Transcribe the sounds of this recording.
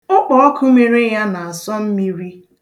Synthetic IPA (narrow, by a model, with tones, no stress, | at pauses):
ʊ˦k͡pɔ˨˦ɔ˦kʰu˦me˨ɾe˦ja˦na˨a˨sɔ˦m̩˦mi˦ɾi˦